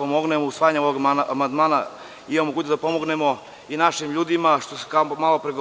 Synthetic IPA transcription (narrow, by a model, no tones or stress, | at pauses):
omoɡnemousʋaːjaɲeoʋoɡamand̪maːna̰ | ijeomoɡuːt͡ɕd̪apo̞mo̞ɡne̞mo̞ | inaʃimʎuːd̪imaʃt̪ose̥kaomaːlˠopɾeɡo